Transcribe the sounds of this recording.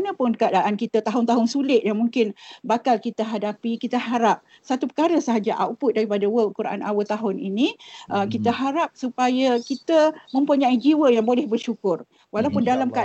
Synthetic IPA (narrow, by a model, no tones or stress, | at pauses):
nə̃pʊnkadaʔankit̪at̪aɦʊnt̪aɦʊnsulɪt̪̚jaŋmuŋkɪnbakalkit̪əɦadapikit̪əɦaɾap̚ | sat̪upə̥kaɾəsəɦad͡ʒaʔa̰upʊt̪̚daɾipadawəlkuɾaʔa̰na̰wət̪aɦʊninĩʔəkit̪əɦaɾap̚supajəkit̪əmə̃mpuɲãid͡ʒiwəjaŋbolɛhbərʃukʊr | walaupʊndalamka